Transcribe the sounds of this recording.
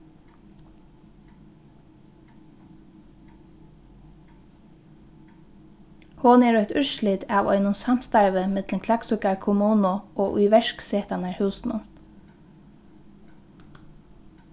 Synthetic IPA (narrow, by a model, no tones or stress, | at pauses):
hʊnɛːɹœht̪ʏɹʃlɪt̪aʋɔ̰jnʊnsam̥st̪aɹʋəmɪt̪lənkʰlaksʏkaɹkʰʊmuːnʊɔːʔʊ̰jʋɛʃkseːt̪anaɹhʉːsnʊ̰n